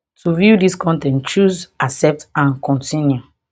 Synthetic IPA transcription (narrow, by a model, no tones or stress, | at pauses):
tuvudiskʰɔ̃ntɛ̃nt͡ʃuzasɛp̚tãnkʰɔ̃ntʰĩnju